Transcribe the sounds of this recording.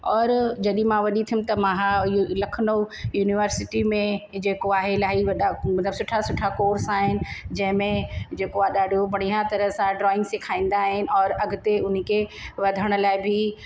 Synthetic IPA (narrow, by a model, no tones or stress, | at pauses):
ɔːɾd͡ʑɐɗĩmãʋɐɗit̪ʰijʊ̃mt̪ɐmãɦalɐkʰnojuːnɪʋəɾsɪʈimẽd͡ʑeːkoaːɦelaːɦiʋɐɗamɐt̪ləbsʊʈʰasʊʈʰakoːɾsaːɦɪnɪ̆d͡ʑɐ̃ɦɪ̃mẽd͡ʑeːkoaɗaːɖʱobɐɽ̤̃iɦãt̪ɐɾəsãɖɾɔːɪ̃ŋɡsekʰaːĩːn̆d̪aːɦɪnɪ̆ɔːɾɐɡʱʊt̪eʊn̤kʰeʋɐd̪ʱəɽ̃ʊ̆laːɪbʱɪ